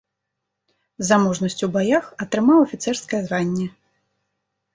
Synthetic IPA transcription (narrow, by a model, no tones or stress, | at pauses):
zamɔʐnɐsʲt͡sʲubajaxɐt̪ɾɨmawɐfʲit̪sɛrskɐjɛzvanʲːɛ